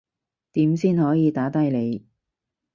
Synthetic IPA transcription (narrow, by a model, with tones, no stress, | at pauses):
t̪iː˨˥msiː˥nhɔː˨˥jiː˨˧t̪aː˨˥t̪ɐ˥jle˨˧j